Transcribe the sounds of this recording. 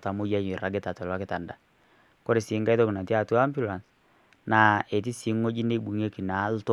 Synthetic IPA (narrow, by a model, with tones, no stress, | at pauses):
ta˨mo˦ja˦ɲe˨ɾa˨˦ɡe˦ta˨tɔ˨lwa˦ke˦ta˨nda˨ | ko˦ɾe˨si˨˦ŋɡa˦ðo˦ki˨na˨ti˦a˦˨tu˦a˦mbju˦la˨ns | na˨e˨t̬i˦si˨˦ŋo˦d͡ʒi˦ne˦i˦ɓu˨ŋe˦ki˨na˨˦lto˦